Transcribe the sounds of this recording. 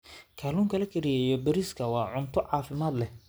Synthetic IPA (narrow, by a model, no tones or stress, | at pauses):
kʰaːluːŋkʰɐlɐkʰɛɾɪjɛjɔbɐɾiskʰɐwɑːʕʊnt̪ʰɔʕɑːfɪmaːd̪lɛ